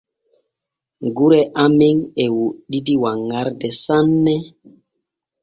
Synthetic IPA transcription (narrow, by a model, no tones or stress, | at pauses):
ŋɡuɾɛʔamiŋɛwuɗidiwaŋːaɾdɛsanːɛ